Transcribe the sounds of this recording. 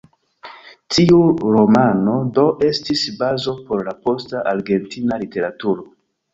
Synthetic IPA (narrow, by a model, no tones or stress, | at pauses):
tʰiuɾo̞mano̞do̞ʔe̞stisbazo̞po̞ɾlapo̞staʔaɾɡe̞ntinalite̞ɾatuɾo̞